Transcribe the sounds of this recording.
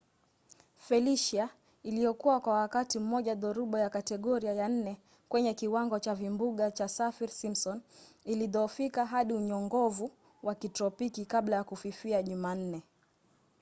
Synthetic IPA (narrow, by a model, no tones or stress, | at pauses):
fɛliʃia | ilijɔkuwakwawakatim̩mɔʄaðɔɾuɓɔjakatɛɠɔɾiajan̩nɛ | kwɛɲɛkiwaŋɡɔt͡ʃavimbuɠat͡ʃasafiɾsimsɔniliðɔfikaɦaɗiuɲɔŋɡɔvu | wakitɾɔpikikaɓlajakufifiaʄuman̩nɛ